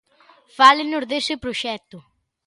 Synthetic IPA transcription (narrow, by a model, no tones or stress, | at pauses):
falɪnʊzðesɪpɾoʃɛt̪ʊ